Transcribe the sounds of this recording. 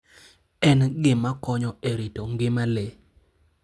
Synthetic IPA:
ɛnɡɪmakɔɲɔeɾitoŋɡɪmale

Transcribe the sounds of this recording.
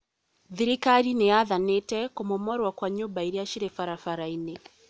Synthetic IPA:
ðiɾikaɾinejaðanetɛkomomɔɾwakwaɲoːmbaiɾeaʃiɾefaɾafaɾaine

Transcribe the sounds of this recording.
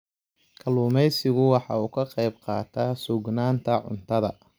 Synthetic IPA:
kʰɐluːmɛjsɪɣʊwɑħɑ̰uːkʰɐqɛjbqɑːt̪ʰaːsʊɡnaːnt̪ʰɐʕʊ̰nt̪ʰɐðɐ̰

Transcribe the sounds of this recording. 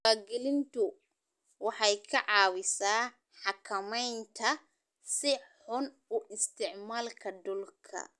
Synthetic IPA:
aːɡɛlɪnt̪ʊ | wɑħɑjkʰɐʕɑːwɪsaː | ħɑkʰɐmɛjnt̪ʰɐ | sɪħʊn | ʊʔɪst̪ʰɪʕmaːlkʰɐd̪ɔlkʰɐ̰

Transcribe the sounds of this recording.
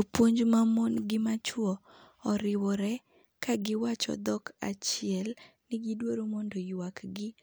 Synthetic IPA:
opwoɲd͡ʒmamɔnɡɪmat͡ʃwɔ | ɔɾɪwɔɾɛ | kaɡɪwat͡ʃɔ̰d̪ɔka̰t͡ʃɪɛl | nɪɡɪdwoɾomɔndojwakɡɪ

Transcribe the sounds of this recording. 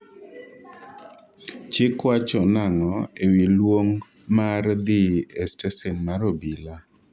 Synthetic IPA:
t͡ʃɪkwat͡ʃɔnaŋɔewilwoŋ | mard̪iɛstɛsenmaɾobila

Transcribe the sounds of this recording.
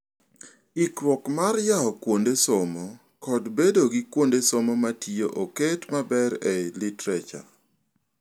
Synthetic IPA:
ikɾwɔkmarjaɔkwondesomɔ | kɔdbedoɡɪkwondesomɔmatijoʔoketmabɛɾɛlitɾɛt͡ʃa̰

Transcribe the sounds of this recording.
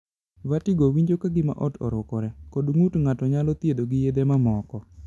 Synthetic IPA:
watiɡowiɲd͡ʒokaɡɪma̰ʔɔtʰɔ̰ɾʊkɔɾɛkodŋutŋatɔɲalɔt̪jed̪oɡɪjed̪emamɔkɔ

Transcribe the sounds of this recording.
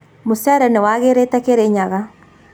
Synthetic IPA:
mosaɾɛnewaɣeɾetɛkeɾeɲaɣa

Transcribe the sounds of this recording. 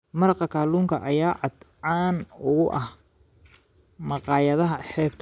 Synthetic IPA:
mɐɾɑqɐkʰaːluːŋkʰɐʔɐjaːʕɑd̪ɑːnʊɣʊʔɐh | mɑqɑːjɐðɐɦɐħɛːbt̪ʰ

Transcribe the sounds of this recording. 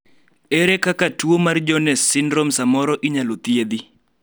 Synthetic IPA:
ɛɾekakatuwomard͡ʒɔnɛsːɪnɾɔmsamɔɾɔʔiɲalot̪ied̪i

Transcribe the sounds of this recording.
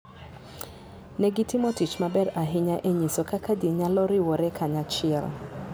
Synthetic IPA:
nɛɡitimɔtit͡ʃmabɛɾaɦɪɲaʔeɲisɔkakʰadiɲalɔɾiwɔɾɛkʰaɲat͡ʃɪɛ̰l

